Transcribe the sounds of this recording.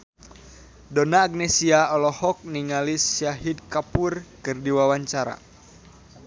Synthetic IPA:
dɔnaːɡ̚nesiaɔlɔhɔk̚niŋalisjaɦidkapurkɨrdiwawaɲt͡ʃaɾa̰

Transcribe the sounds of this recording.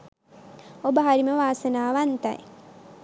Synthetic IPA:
obəɦaɾiməʋaːsənaːʋant̪a̰j

